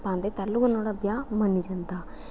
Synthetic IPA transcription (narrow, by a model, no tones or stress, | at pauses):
paːnd̪et̪ɐlːuɡɐnːoːɽɐbjaːmɐnːid͡ʒɐnt̪a